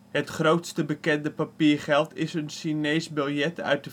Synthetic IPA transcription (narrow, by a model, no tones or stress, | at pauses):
hətχrowtstəbəkɛndəpapiːrχɛlˠtʰɪsənʃineːsbɪlˠjɛtʰœ̰ɥt̚də